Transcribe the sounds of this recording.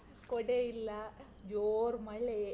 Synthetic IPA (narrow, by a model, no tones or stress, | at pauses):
koɽeilːɐ | d͡ʒoːɾmɐɭe